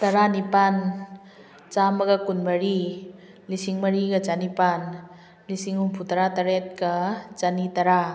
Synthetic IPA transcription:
t̪ɐɾanipan | t͡ʃamɐɡakunmɐɾi | lisiŋməɾiɡat͡ʃanipan | lisiŋumpʰut̪aɾat̪aɾɛt̪̚kat͡ʃanit̪aɾa

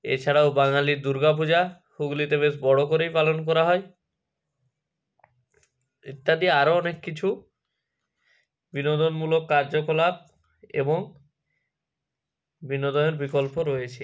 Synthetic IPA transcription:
ḛt͡ɕʰaɽaobaŋaliɾd̪uɾɡap̬ud͡ʑa | huɡlit̪eβesbɔɽokoɾejpalonkɔɾaɦɔe | it̪ːad̪ieaɾoɔnekːit͡ɕʰu | binod̪onmulokːaɾd͡ʑokolab̚ | ḛboŋ | binod̪oneɾbikolpoɾɔjet͡ɕʰi

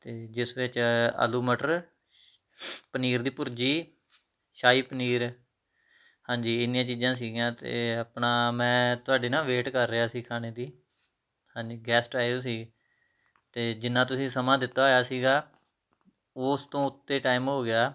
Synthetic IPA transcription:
t̪eːd͡ʒɪsʋɪt͡ʃə̰luːməʈəɾ | pəniːɾd̪iːpʊɾd͡ʒiː | ʃaːiːpəniːɾ | hãːɲd͡ʒiːɪnɪjãːt͡ʃiːzãːs̬iːɡjãːt̪ḛːapnaːmɛ̃ːt̪ʊaːɖeːnãːʋeːʈkəɾːəaːsiːkʰaːneːd̪iː | hãːɲd͡ʒiːɡɛːsʈaːos̬iːɡ | t̪eːd͡ʒɪnːãːt̪ʊsĩːsəmãːd̪ɪt̪ːaːoːjaːsiːɡaː | ʊːst̪õːʊt̪ːeːʈaːɪmɦoːɡɪjaː

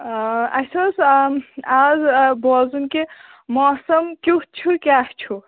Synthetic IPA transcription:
ɐ̰sos | azbɔːzunke | mɔːsɐmkʲuh̚t͡ʃʰukʲaːht͡ʃʰu

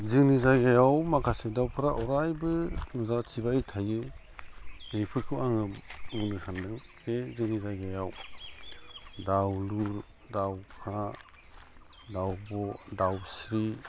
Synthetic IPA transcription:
zɯŋnizajɡajawmakʰasedawpʰɯɾaʔɔɾajbɯnuzatʰibaitʰajɯ | nejpʰɯɾkʰɯaŋɯmunɯsʰandɯŋkezɯŋnizajɡajaw | dawluɾ | dawkʰa | dawbɔdawsɾi

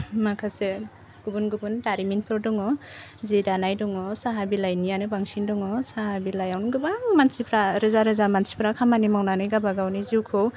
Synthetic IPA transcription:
makʰase | ɡ̥ubunɡubundaɾminpʰɔɾdɔŋɔ | zidanajdɔŋɔsaɦabilajnijanɯbaŋsindɔŋɔsaɦabilajawnɔŋɡɯbaŋmansipʰɾaɾɯzaɾɯzamansi̥pʰɾakʰamanimawnanɯjɡabaɡawniziwkʰɯw

